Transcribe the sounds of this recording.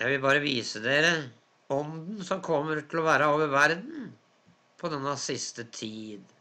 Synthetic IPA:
jæɪʋɪlbɑːɾəʋiːsəd̪eːɾə | ɔnd̪n̩sɔmkʰɔmːəɾʈ̪ʰɪlɔʋæːɾəoːʋəɾʋæɾd̪n | pʰɔd̪ɛnːɑsɪst̪ət̪ʰiːd̪

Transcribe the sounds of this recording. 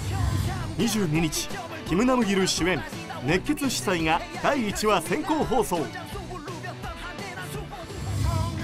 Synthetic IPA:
ɲ̟iʑɨːɲ̟iɲ̟it͡ɕi̥ | kʲimɯ̟namɯ̟ɡʲiɾɯ̟ɕiẽ̞m | ne̞kːe̞t͡sɨɕi̥saiŋad̪̥aiːt͡ɕiβasẽ̞ŋko̞ːɦo̞ːso̞ː

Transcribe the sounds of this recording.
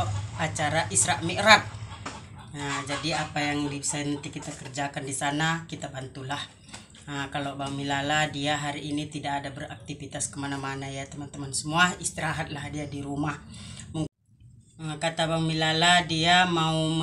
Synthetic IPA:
at͡ʃaɾaʔisɾaʔmiʔɾat̪̚ | əd͡ʒadiapajaŋdisɛnt̪ikit̪akərd͡ʒakandisanakit̪abant̪ulah | əkalobaŋmilaladiaɦaɾiʔːnit̪idakadabərak̚t̪ifit̪askəmanamanajat̪əmant̪əmansəmuaist̪iɾaɦat̪̚lahdiadiɾumahmuŋ | kat̪abaŋmilaladiamaum

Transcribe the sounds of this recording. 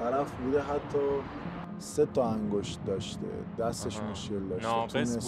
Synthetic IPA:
t̪ʰæɾæfbud̪eɦæt̪ʰːɒ | set̪ʰɒæŋɡoʃt̪̚d̪ɒʃt̪ḛd̪̥æst̪eʃmoʃkeld̪ɒʃt̪et̪ʰunes

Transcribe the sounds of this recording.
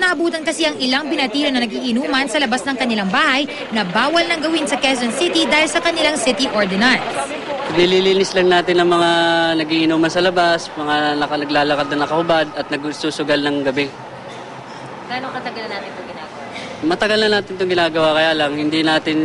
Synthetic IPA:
nɐʔɐbuːt̪ɐnkɐsiʔɐŋɪlaŋpɪnɐt̪iːlonɐnɐɡiːʔɪnuːmɐnsɐlɐbasnɐŋkɐnɪlaŋbaːhɐj | nɐbaːwɐlnɐŋɡɐwɪnsɐkɛs̬onsɪt̪id̪aːhɪlsɐkɐnɪlaŋsɪt̪iʔoɹd̪ɛnɐɹ | pnɪliːliːnɪslɐŋnaːt̪ɪnːɐŋmɐŋanɐɡiʔɪnuːmɐnsɐlɐbasmɐŋanɐkɐnɐɡlaːlɐkad̪̚nɐnɐkɐhʊbad̪̚ɐt̪̚nɐɡsuːsʊɡalnɐŋɡɐbɛ | ɡaːnokɐt̪ɐɡɐlɐnːaːt̪ɪnt̪oŋɡɪnaːɡɐwa | mɐt̪ɐɡalnɐnaːt̪ɪnt̪ʊŋɡɪnaːɡɐwakɐjaːlɐŋhɪnd̪inaːt̪ɪn

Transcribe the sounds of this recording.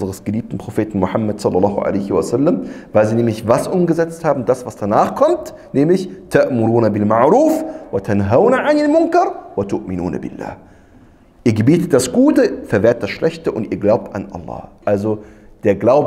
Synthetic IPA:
zəʁəsɡ̥əliːp̚tn̩pʁ̥ofeːtn̩mʊħamːatsɑlːɑlːɑːɦʊʔa̰lɛɪçasalːəmvaɪlziːnɛːmlɪçvasʔʊmɡəzɛt͡sthaːbm̩dasvasd̥anaːχkʰɔmt | nɛːmlɪçtʰaʔmʊɾuːnabɪlmaʕɾuːfwatʰanɦaʊnaʕanalmʊŋkɐɾwatʰʊʔmɪnṵːna̰bɪ̰lːa̰ː | ʔiːɐɡəbiːtət̚d̥asɡ̥uːtəfɛɐveːɐt̚d̥asʃlʔɛçtəʔʊntʔiːɐɡlaʊp̚tʔanʔa̰lːɑ̰ːʔalzo | d̥eːɐɡlaʊb

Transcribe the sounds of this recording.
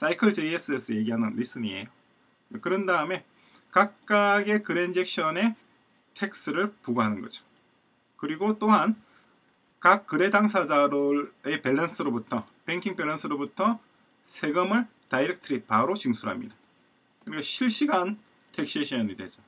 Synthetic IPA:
s͈ʰaikʰɯɭd͡ʑees͈ʰɯes͈ʰʌje̞ɡiɦanɯnɾis͈ɯɲie̞̰jo | kɯɾʌndaɯme̞ | kak̚k͈aɡe̞kɯɾend͡ʑek̚ɕ͈ʰʌne̞ | tʰe̞k̚s͈ɯɾɯɭpuɡoɦanɯnɡʌ̰d͡ʑo̥ | kɯɾiɡot͈oɦan | kak̚k͈ːɯɾe̞daŋsʰad͡ʑaɾɯe̞peɭːens͈ʰɯɾobutʰʌ | peŋkʰiŋpeɭːʌnsʰɯɾobutʰʌ | sʰe̞ɡɯmɯɭ | taiɾek̚tʰɯɾipaɾot͡ɕiŋsʰuɾɦamɲḭda | kɯɾiɡʌɕʰiɭɕ͈iɡan | tʰek̚ɕ͈eɕʰʌɲidwe̞̰d͡ʑo

